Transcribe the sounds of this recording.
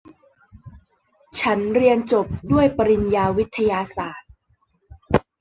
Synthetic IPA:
t͡ɕʰa˦˥nɾi˧ənt͡ɕo˨˩p̚du˥˩əjpa˧ɾi˧njaː˧wi˦˥t̪ʰːa˧jaː˧saː˨˩t̪̚

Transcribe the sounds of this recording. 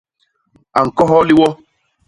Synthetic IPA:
a˨ŋ̩˨kɔ˦ɦɔ˦li˦wɔ˦

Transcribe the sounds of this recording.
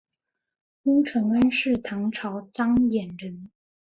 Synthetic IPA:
kʊ˥ŋʈ͡ʂʰɤ˧˥ŋə˥nʂɻ̩˥˩t̪ʰɑ˧˥ŋʈ͡ʂʰɑ˧˥ʊt͡sɑ˥ŋjɛ˨˩nɻə˧˥n

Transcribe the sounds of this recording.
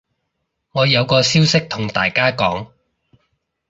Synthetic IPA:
ŋɔː˨˧jɐ˨˧wkɔː˧siː˥wsɪ˥k̚t̪ʰʊ˨˩ŋt̪aː˨˩jkaː˥kɔː˨˥ŋ

